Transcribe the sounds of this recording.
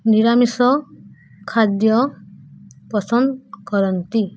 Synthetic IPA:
niɾamisɔ | kʰad̪jɔ | pɔsɔnd̪kɔɾɔnt̪i

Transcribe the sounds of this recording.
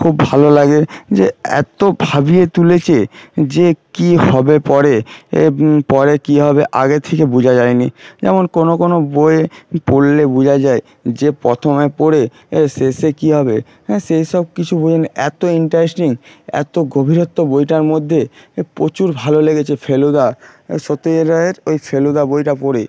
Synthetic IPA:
kʰubːʱalolaɡed͡ʑeɛ̰t̪obʱabiet̪ulet͡ɕʰed͡ʑekihɔbepɔɾe | pɔɾekiɦɔbeʔa̰ɡet̪ʰekebud͡ʑʱad͡ʑaenid͡ʑɛ̰monkonokonoboepoɽlebud͡ʑʱad͡ʑae | d͡ʑepɾɔt̪ʰomepoɽe | sesekiɦɔbe | ʃejʃɔb̚kit͡ɕʰubud͡ʑʱaniʔɛt̪oiɳʈaɾesʈiŋɛ̰t̪oɡobʱiɾot̪ːobojʈaɾmod̪ʱːepɾot͡ɕuɾbʱaloleɡet͡ɕʰefʰelod̪aʃot̪oɾaeɾojfʰelod̪abojʈapoɾe

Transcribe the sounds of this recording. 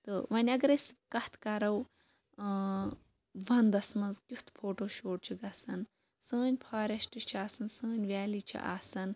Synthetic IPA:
t̪ɨʋɐnʲɐɡɐɾɐsʲkɐht̪ʰkɐɾɐw | ʋɐnd̪ɐsmɐnzkʲut̪ʰpʰoːʈoːʃoːʈ̚t͡ʃʰiɡɐsɐn | sɨːnʲpʰaːɾʲɐʃʈɨt͡ʃʰiaːsɐnsɨːnʲʋʲaːlit͡ʃʰḭʔa̰ːsɐn

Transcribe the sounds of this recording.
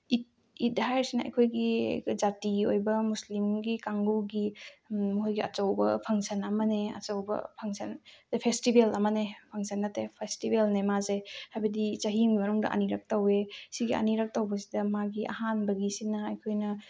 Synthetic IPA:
it̚ | idɦajɾsinɐɐ̰jkʰojɡid͡ʒatiɡiojbɐmuslimɡikaŋɡuɡimuɦojɡiɐ̰t͡ʃɐwbɐpʰɐŋsɐnɐmɐneɐ̰t͡ʃɐwbɐ̰pʰɐŋsɐndepʰestibelɐmɐnepʰɐŋsɐnːɐtepʰestibelnemazehajbɐdit͡ʃɐɦimɡimɐnuŋdɐ̰ʔɐ̰niɾɐk̚tawesiɡiɐ̰niɾɐk̚tawbɐsi̥dɐmaɡiʔɐ̰hanbɐɡisinɐɐjkʰojnɐ

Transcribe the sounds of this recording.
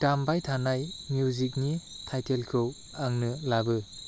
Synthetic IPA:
tambajtʰanajmjuzik̬̚ni | tʰajtʰelkʰɯw | aŋnɯlabɯ

